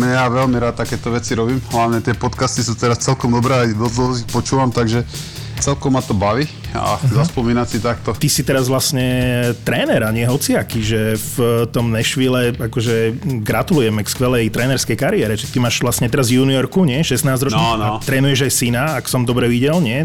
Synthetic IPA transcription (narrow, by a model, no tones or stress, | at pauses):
mɛjaʋɛlmiɾat̪t̪akɛːt̪ɔʋɛt͡siɾɔbiːmɦlaʊɲɛt̪ɪɛpɔt̪kast̪isuːt̪ɛɾast͡sɛlkɔmd̪ɔbɾɛad̪ɔzd̪lɔzixpɔt͡ʃuːʋamt̪aɡʒɛ | t͡sɛlkɔmːat̪ɔbaʋi | a̰zaspɔmiːnasit̪ak̚t̪ɔt̪isit̪ɛɾazʋlasɲɛt̪ɾɛːnɛɾaɲɪɛɦɔt͡siakiʒɛft̪ɔmnɛʃʋiːlɛakɔʒɛɡɾat̪ulujɛmɛkskʋɛlɛjt̪ɾɛːnɛɾskɛjkaɾiɛːɾɛt͡ʃɛt̪imaːʃʋlasɲɛt̪ɛɾazvjuːniɔɾkuɲɪɛʃɛsnaːzd͡ʑɾɔt͡ʃnaat̪ɾɛːnujɛʒajsinaːksɔmd̪ɔbɾɛʋiɟɛlɲɪɛ